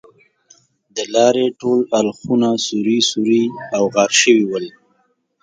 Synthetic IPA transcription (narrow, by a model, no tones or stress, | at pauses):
d̪əlɑɾeʈolalxunasuɾisuɾiawɣɑɾʃəwiwəl